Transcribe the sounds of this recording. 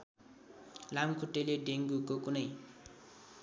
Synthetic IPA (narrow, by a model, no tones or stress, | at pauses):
lamkʰoʈːeleɖeŋɡukokunʌj